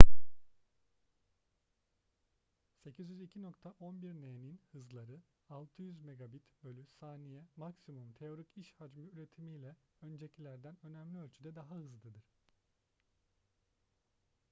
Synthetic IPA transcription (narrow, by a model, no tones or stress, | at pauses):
se̞cʰizjyzicʰino̞kt̪ʰaʔo̞nbiɾneninhɯzlˠaɾɯ | alˠt̪ʰɯjyzme̞ɡabit̪bø̞lʲysaːnijɛmaksimumt̪ʰe̞o̞ɾiciʃhad͡ʒmɯyɾe̞t̪ʰimijlʲɛø̞nd͡ʒe̞cʰilʲæɾd̪ænø̞næmlʲiølʲt͡ʃʰyd̪ɛd̪aɦahɯzlˠɯd̪ɯɾ̥